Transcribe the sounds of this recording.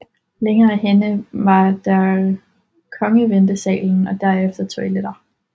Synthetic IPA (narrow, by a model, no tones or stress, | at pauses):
leŋɐːæɦenəʋɑ̈d̥æ | kʰɒ̽ŋəʋend̥əsɛ̰ːln̩ɒ̽d̥æɐ̰efd̥ɐt͡sʰoiled̥ɐ